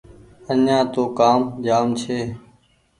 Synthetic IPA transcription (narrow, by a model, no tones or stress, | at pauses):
ənãːt̪oːkaːmd͡ʒaːmt͡ʃʰeː